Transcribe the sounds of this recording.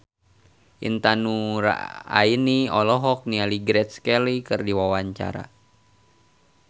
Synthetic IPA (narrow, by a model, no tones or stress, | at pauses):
ʔḭnt̪anuɾa̰a̰iniɔlɔɦɔk̚nialiɡɾɛt̪̚skɛlikɨrdiwawaɲt͡ʃa̰ɾa̰